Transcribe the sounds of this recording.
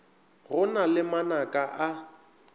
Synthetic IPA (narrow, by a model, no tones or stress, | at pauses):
ɣʊnalɪmanakʼaʔa